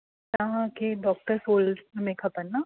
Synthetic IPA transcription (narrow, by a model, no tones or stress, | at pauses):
taɦãkeɖɔːk̚ʈəɾsoːlɖmẽkʰɐpɐnːa